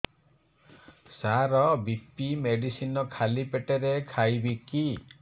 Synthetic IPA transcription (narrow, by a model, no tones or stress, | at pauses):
saɾɔbipimeɖisinɔkʰalipeʈeɾekʰajbiki